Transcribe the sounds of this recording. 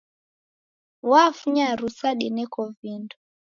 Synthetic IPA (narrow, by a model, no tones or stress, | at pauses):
wafuɲaɾusaɗinɛkɔvindɔ